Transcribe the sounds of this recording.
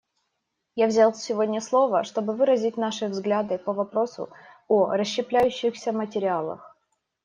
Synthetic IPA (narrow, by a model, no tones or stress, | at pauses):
javzʲalˠsʲɪvo̞dʲnʲəslˠo̞və̰ʂt̪o̞bɨvɨɾəzʲɪtʲnaʂɨvzɡlʲad̪ɨpəvɐpɾo̞sʊ̰ | oɾəɕːɪplʲæjʉɕːɪxsʲəmətʲɪɾʲɪalˠə̰x